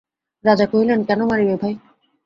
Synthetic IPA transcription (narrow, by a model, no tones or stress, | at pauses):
ɾad͡ʑakoɦilenkɛnomaɾibebʱaj